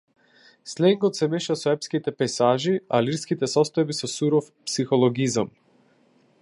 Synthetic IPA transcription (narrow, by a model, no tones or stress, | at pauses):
slɛŋɡɔt̪sɛmɛʃasɔɛpskit̪ɛpɛsaʒialiɾskit̪ɛsɔst̪ɔjbisɔsuɾɔf | psixɔlˠɔɡizam